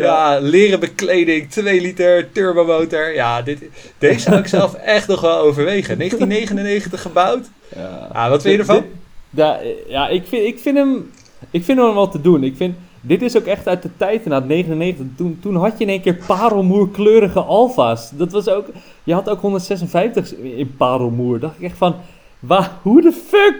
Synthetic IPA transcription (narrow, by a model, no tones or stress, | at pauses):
jalɪːrəbəklejdɪŋtʋejlitəɹtøɹbomowtəɹjadɪtd̥esawɪksɛlˠfɛχtnɔχʋɛlˠowvəɹʋejχənejətinejχənənːejχəntəχːəbawt | ja̰ja̰ʋɑtfɪjədəfajaʔɪkfɪɪkfɪnəm | ɪkfɪndəməmʋɔlˠtədunɪkfɪn | dɪtɪsowkɛχtœɥt̚dətɛjtənaːtneːχənəneːχəntətuntunɦaɔtjəɪneːŋkɪːɹpaːɾəlˠmuːɹkløːɾəɣəʔɔlˠfasdɔtʋɑsowk | jəhɔtowkɦondərtsɛs̬ənfɛjftəxɪnpaːɾəlˠmuəɹdɔχtɪkɛχtfɔn | ʋahudəføk